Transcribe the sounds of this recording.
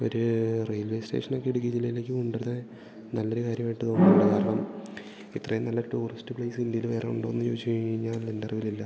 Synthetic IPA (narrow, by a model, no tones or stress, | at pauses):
o̞̰ɾurejlʋeːsteːʂɐno̞kːeɽuk̬ʲːit͡ɕilːɐjileːkʲːɨmuɳɖeɾðe | nɐlːo̞ɾukaːɾjɐmaːjʈːɨt̪o̞ːnːuɭːɐkaːɾɐɳɐm | it̪ːrɐjunɐlːɐʈuːristːɨpɭɐjsɨind̪ijilɨʋe̞ːreuɳɖoːnːɨt͡ɕoːt͡ɕːejiɲːaːendɐrʋililːɐ